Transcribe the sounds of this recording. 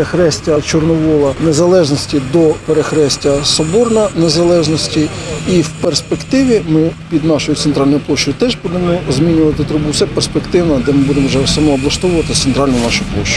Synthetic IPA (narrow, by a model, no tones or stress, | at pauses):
exɾɛsʲtʲɐt͡ʃɔrnɔʋɔlˠɐnezɐlˠɛʒnɔsʲtʲid̪ɔpeɾexɾɛsʲtʲɐsɔbɔrnɐne̞zɐlˠɛʒnɔsʲtʲiiwperspekt̪ɪʋʲimɪpʲid̪nɑʃɔjʊt̪sent̪ɾɑlʲnɔjʊplˠɔʃt͡ʃʊjʊt̪ɛʒbud̪emɔzmʲinʲʊʋɐt̪ɪt̪ɾʊbuwsɛperspekt̪ɪwnɐd̪ɛmɪbud̪emɔwʒɛsɐmɔːblˠɐʃt̪ɔwʊʋɐt̪ɪt̪ent̪ɾɑlʲnʊjnɑʃʊjʊplˠɔʃt͡ʃʊ